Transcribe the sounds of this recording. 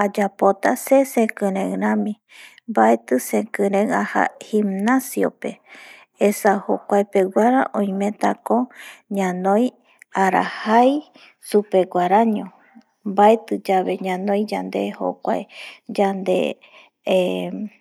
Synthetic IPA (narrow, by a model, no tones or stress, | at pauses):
ad͡ʒapot̪asesekɨ̃ɾẽŋɾãmĩ | mbaet̪ɨsẽkɨ̃ɾẽŋaha̰himnasjo̰pe | esaho̰kʷaepeɡʷaɾaʔõjmẽt̪akoɲãnõj | aɾa̰haj | supe̞ɡʷaɾaɲõ | mbaet̪ɨd͡ʒaβe̞ɲãnõjd͡ʒand̪eho̰kʷaed͡ʒand̪ḛ | e